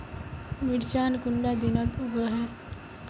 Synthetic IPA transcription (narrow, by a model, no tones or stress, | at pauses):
miɽt͡ɕankuɳɖad̪inət̪uɡəɦe